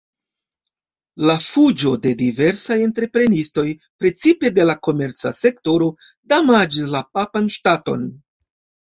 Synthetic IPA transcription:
lafud͡ʒo̞de̞dive̞ɾsaje̞ntɾe̞pɾe̞nisto̞jpɾe̞t͡sipe̞de̞lako̞me̞ɾt͡sa̰se̞k̚to̞ɾo̞ | damad͡ʒislapapanʃtato̞̰n

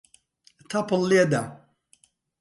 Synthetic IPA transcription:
t̪ʰɐpəlˠːed̪ɐ

